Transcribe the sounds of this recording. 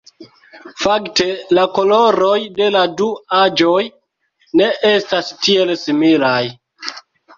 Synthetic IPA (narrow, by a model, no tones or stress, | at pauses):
fakte̞lako̞lo̞ɾo̞jde̞laduad͡ʒo̞j | ne̞ʔe̞stastie̞lsimilaj